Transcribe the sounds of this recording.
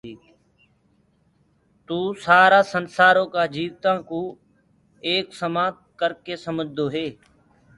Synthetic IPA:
t̪uːsaːɾaːsənsaːɾõːkaːd͡ʒiːʋt̪ãːkũː | eːksəmaːt̪̚kəɾkeːsəməd͡ʒʱd̪oːɦeː

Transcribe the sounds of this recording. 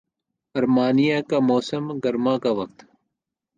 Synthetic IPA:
ɐɾmaːnijakamoːsəmɡɐɾmãkaʋɐk̚t̪

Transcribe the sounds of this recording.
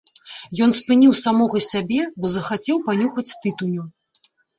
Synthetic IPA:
jɔnspɨnʲiwsamɔɣɐsʲabʲɛbɔzɐxat͡sʲɛwpanʲuxɐt͡sʲt̪ɨt̪unʲu

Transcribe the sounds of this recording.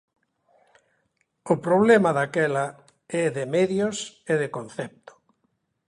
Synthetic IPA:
ʊpɾoβlemaðakɛla | ɛðemeðjoseðekonθɛp̚t̪ʊ̥

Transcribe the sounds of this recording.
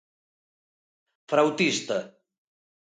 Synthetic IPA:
fɾawt̪ist̪ə

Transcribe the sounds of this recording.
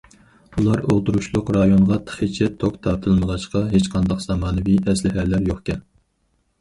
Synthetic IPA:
ulˠɑɾolˠt̪ʰuɾuʃlˠʊqɾɑjonʁɑt̪ʰə̥χit͡ʃʰɛt̪ʰokt̪ʰɑɾt̪ʰɨlˠməʁɑʃqɑɦet͡ʃqʰɑnd̪ɑqz̥ɑmɑːnɨvijɛslɪɦælæɾjoχkʲɛn

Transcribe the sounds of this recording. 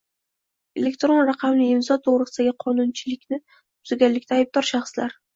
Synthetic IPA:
e̞le̞kt̪ɾo̞nɾaqʰɑmnɪɪmzɒt̪ʰoʁɾɨsɪd̪aɡʲɪqʰɒnʊnt͡ʃʰɪlɪkʲnɪ | tʊzɪɡʲanlːɪkʲt̪ʰaːjb̚d̪ɒɾʃaχslaɾ

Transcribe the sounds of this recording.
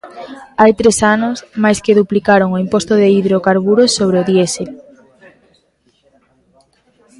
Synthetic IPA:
ajt̪ɾesanʊsmajskeðuplikaɾoŋoimpost̪oðeiðɾokaɾβuɾosoβ̞ɾeoðjese

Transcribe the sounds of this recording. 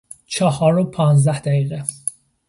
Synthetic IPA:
t͡ʃʰɒhɒːɾopʰɒːnzd̪æhd̪̥æɡiːɣe

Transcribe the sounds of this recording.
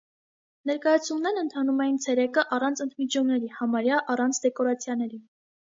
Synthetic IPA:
nɛɾkɑjɑt͡sʰumnɛɾnənt̪ʰɑnumɛjint͡sʰɛɾɛkəʔɑrɑnt͡sʰənt̪ʰmit͡ʃɔmnɛɾihɑmɑɾjɑʔɑrɑnt͡sʰd̪ɛkɔɾɑt͡sʰjɑnɛɾi

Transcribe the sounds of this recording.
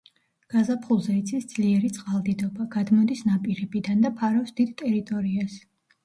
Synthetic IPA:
ɡ̥azapʰχulˠzɛit̪sʰisd̪zliɛɾit̪sʼqʼalˠd̪id̪ɔbaɡad̪mɔd̪isnapʼiɾɛbid̪and̪apʰaɾɔfsd̪id̪t̪ʼɛɾit̪ʼɔɾias

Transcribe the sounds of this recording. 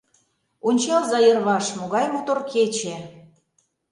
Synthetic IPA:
unʲt͡ɕɑlzɑjə̆rβɑʃmoɣɑjmot̪orkʰet͡ɕe

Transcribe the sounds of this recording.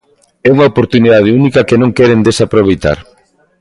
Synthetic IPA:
ɛuŋaopoɾt̪uniðað̞eunikɐkenõŋkɛɾend̪esapɾoβejt̪a̰ɾ

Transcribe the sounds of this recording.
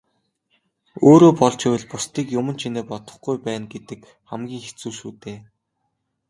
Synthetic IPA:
oːɾoːpɔɮt͡ɕɪwɘ̆ɮpʊst̪iːkjʊmə̆nt͡ɕʰineːpɔt̪ɞ̆χɡujpæːnɡet̪ɘ̆k | χæmɡʲiːŋxe̥t͡suːʃuːt̪eː

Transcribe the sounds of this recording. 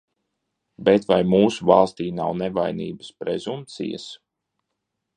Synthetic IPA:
bet̪vajmuːsuvalˠst̪iːnawnɛvajnḭːbə̥spɾɛzump̚t̪sḭjə̰s

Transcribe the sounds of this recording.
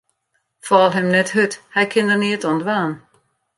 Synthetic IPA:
fɔlˠɦɛmnɛthøthɛjkʰɪndərniətɔndʋaːn

